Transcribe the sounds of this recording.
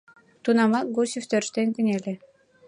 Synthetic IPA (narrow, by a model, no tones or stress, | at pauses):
t̪unɑmɑɡosʲift̪øɾʃt̪enʲkʲɘ̆nʲelʲĕ